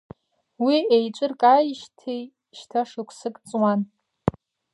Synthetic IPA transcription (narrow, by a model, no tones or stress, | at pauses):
wiejt͡ʃʷʼɨrkʼajʃtʰej | ʃtʰaʂɨkʷʰsɨkʼt͡sʼwan